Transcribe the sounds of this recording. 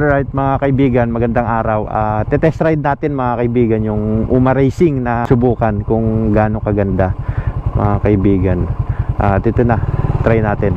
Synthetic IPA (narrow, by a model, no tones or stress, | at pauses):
d̪ɹajt̪̚mɐŋakɐʔɪbiːɡɐnmɐɡɐnd̪aŋʔaːɾɐwʔa̰ːt̪ɛt̪ɛsɾajd̪̚naːt̪ɪnmɐŋakɐʔɪbiːɡɐnjʊŋʔʊmɐɾɛjsɪŋnɐsʊbuːkɐnkʊŋɡaːno̞kɐɡɐnd̪amɐ̰ŋakɐʔɪbiːɡɐnʔaːt̪ɛt̪ɛnat̪ɾajnaːt̪ɪn